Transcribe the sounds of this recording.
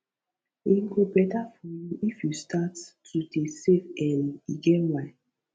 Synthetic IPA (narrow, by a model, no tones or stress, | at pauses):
iɡobɛtafɔjuʔifjustʰatːudesefɛ̃niɡɛnwaɪ